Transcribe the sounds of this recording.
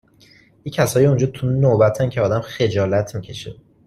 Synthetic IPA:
icʰæsɒːjiund͡ʒɒːt̪ʰunobæt̪ʰæncʰeɒːd̪æmxe̞d͡ʒɒːlæt̪ʰmicʰe̞ʃḛ

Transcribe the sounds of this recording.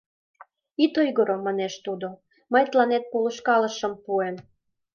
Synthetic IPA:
it̪ojɣoɾomɑneʃt̪ud̪o | məjt̪lɑnet̪̚poluʃkɑləʃəmpuem

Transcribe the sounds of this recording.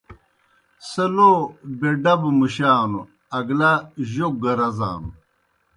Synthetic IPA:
sɐlobeɖɐbmuɕaːnu | ɐɡlaʑok̚ɡɐɾɐza̰ːnṵ

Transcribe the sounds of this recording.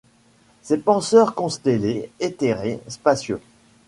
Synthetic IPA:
sepɑ̃sœʁkɔ̃st̪eleet̪eʁespasjø

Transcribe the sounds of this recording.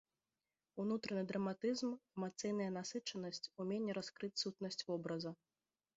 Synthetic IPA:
unut̪ɾɐnɨd̪ɾɐmat̪ɨzmɛmat̪sɨjnɐjɐnasɨt͡ʂɐnɐsʲt͡sʲumʲenʲːɛɾaskɾɨt͡sʲsut̪nɐsʲt͡sʲvɔbɾɐzɐ

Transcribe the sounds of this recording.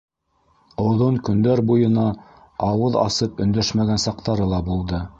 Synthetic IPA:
ŏwðoɴkɵ̆nd̪æɾbujɤ̆nɑ | ɑwɤðɑ̰sɤpɵ̆nd̪æʃmæɡænsɑqt̪ɑɾɤlˠɑbulˠd̪ɤ

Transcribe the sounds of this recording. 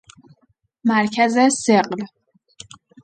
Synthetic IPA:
mæɾcʰæzeseɢl

